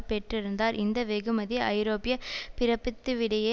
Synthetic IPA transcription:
pɛʈrɪɾɯnd̪aːɾʔɪnd̪ɐʋɛɣɯmɐðiɐɪɾoːpɪjɐpɪɾɐpːɪt̪ːɯʋɪɽɐjeː

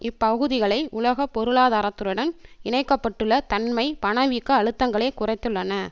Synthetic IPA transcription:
ɪpːɐɣɯðɪɣɐɭɐɪʔʊlɐɣɐpːɔɾɯɭaːðaːɾɐt̪ːɯɾɯɽɐnɪɳɐɪkːɐpːɐʈːɯɭːɐt̪ɐnmɐɪpɐɳɐʋiːkːɐːɻɯt̪ːɐŋɡɐɭeɪkʊrɐɪt̪ːɯɭːɐnɐ

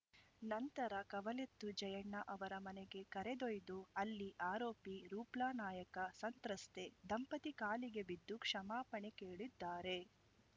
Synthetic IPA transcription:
nɐnt̪ɐɾɐkɐʋɐlet̪ːud͡ʒɐjɐɳːɐʔɐʋɐɾɐmɐneɡe̞kɐɾed̪ojd̪uɐlːiʔaːɾoːpiɾuːplaːnaːjɐkɐsɐnt̪ɾɐst̪e̞d̪ɐmpɐt̪ikaːliɡe̞bid̪ːukʂɐmaːpɐɳekeːɭid̪ːaːɾe̞

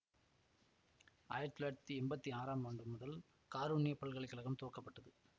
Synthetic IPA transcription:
a̰ːjɪɾɐt̪ːɪlɐɾt̪ːiɛmbɐt̪ːiaːɾaːmaːɳɖɯmːʊðɐl | kaːɾuːnɪjɐpɐɭɣɐɭɐɪkːɐɭɐɣɐmt̪oːkɐpːɐʈːɐðɯ

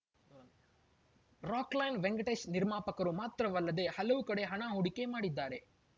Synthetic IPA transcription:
ɾaːklɐjnʋeŋɡɐʈesniɾmaːpɐkɐɾumaːt̪ɾɐʋɐlːɐd̪e̞hɐlɐʋukɐɽe̞ɦɐɳaːɦoɽikːe̞maːɽid̪ːaːɾe̞

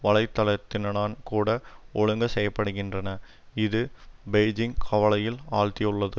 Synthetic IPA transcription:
ʋɐlɐɪt̪ːɐlɐt̪ːɪnɐɭaːnkuːɽɐʔɔɻɯŋɡɐsɛjːɐpːɐɽɯɣɪndrɐnɐ | ɪðɯbɛɪd͡ʒɪŋkʰɐʋɐlɐjɪlaːɻt̪ɪjʊɭːɐðɯ

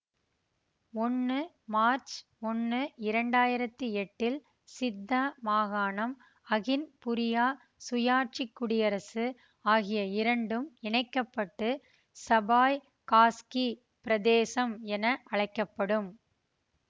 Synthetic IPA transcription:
ɔnːɯ | maːɾt͡ʃmɔnːɯɪɾɐɳɖaːjɪɾɐt̪ːɯɛʈːɪl | sɪd̪ːamaːɣaːnɐm | ɐɣɪnpʊɾɪjaː | sʊjaːʈ̚t͡ʃɪkːʊɽɪjɐɾɐsɯ | aːɣɪjɐɪɾɐɳɖɯmɪɳɐɪkːɐpːɐʈːɯ | sɐbaːj | kaːski | pɪɾɐðeːsɐmɛnɐʔɐɻɐɪkːɐpːɐɽɯm

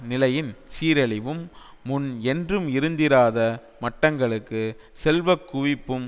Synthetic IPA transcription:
nɪlɐjɪnsiːɾɐɭɪʋɯmː | ʊnɛndrɯmɪɾɯnd̪ɪɾaːðɐ | mɐʈːɐŋɡɐɭɯkːɯ | sɛlʋɐkːʊʋɪpːɯm

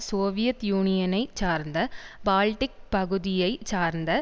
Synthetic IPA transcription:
soːʋɪjɐt̪juːnɪjɐnɐɪt͡ʃaːɾnd̪ɐbaːlʈɪk̚pɐɣɯðɪjɐɪt͡ʃːaːɾnd̪ɐ

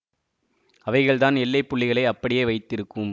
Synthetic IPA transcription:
ɐʋɐɪɣɐɭt̪aːnɛlːɐɪpːʊɭːɪɣɐɭɐɪɐpːɐɽɪjeːʋɐɪt̪ːɪɾɯkːɯm

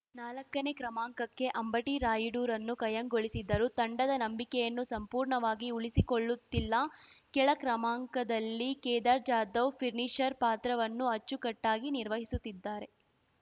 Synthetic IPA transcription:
naːlɐkːɐnekɾɐmaːŋkɐkːe̞ʔɐmbɐʈiɾaːjuɖuːɾɐnːukɐjɐŋɡoɭisid̪ːɐɾut̪ɐɳɖɐd̪ɐnɐmbikɛjɐnːusɐmpuːɾɳɐʋaːɡiuɭisikoɭːut̪ːilːɐkɛɭɐkɾɐmaːŋkɐd̪ɐlːikɛːd̪aːɾd͡ʒaːd̪ɐʋpʰiɾniʂɐɾpaːt̪ɾɐʋɐnːuɐt͡ʃːukɐʈːaːɡiniɾʋɐɦisut̪ːid̪ːaːɾe̞

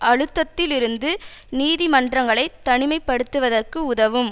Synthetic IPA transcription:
ʔɐɻɯt̪ːɐt̪ːɪlɪɾɯnd̪ɯniːðimɐndrɐŋɡɐɭɐɪt̪ːɐɳɪmɐɪpːɐɽɯt̪ːɯʋɐðɐrkɯʊðɐʋɯm

